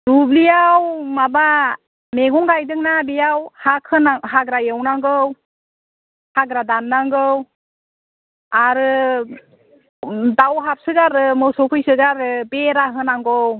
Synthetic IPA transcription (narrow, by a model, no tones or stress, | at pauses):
dublijawmaba | meɡɔŋɡajdɯŋnabijawhakʰːɯnaɦaɡɾajewnaŋɡɯw | haɡɾadanːaŋɡɯw | aɾɯ | dawɦap̚sɯɡaɾɯmɯwsɔpʰɯjsɯɡaɾbeɾaɦɯnaŋɡɔw